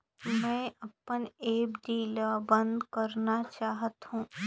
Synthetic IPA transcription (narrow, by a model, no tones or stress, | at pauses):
mɛ̃ːʔɐpəneːbɖiːlabɐ̃nd̪kɐɾnat͡ʃaːɦət̪ɦũː